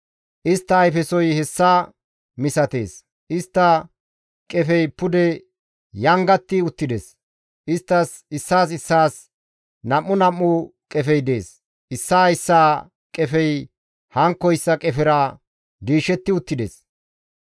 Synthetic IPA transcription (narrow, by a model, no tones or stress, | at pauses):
ʔɪst̪ːɐːjfɛsɔjhɛsːɐ | mɪsɐt̪e̞̰ːs | ʔɪst̪ːɐ | kʼɛfɛjpʊd̪ɛ | jɐŋɡɐt̪ːɪʊt̪ːɪd̪ḛs | ʔɪst̪ːɐs | ɪsːaːs̬ɪsːaːs | nɐmːʊnɐmːʊkʼɛfɛjd̪e̞̰ːs | ʔɪsːaːɪsːaː | kʼɛfɛj | hɐŋkːɔɪsːɐkʼɛfɪɾɐ | d̪iːʃɛt̪ːɪʊt̪ːɪd̪ḛːs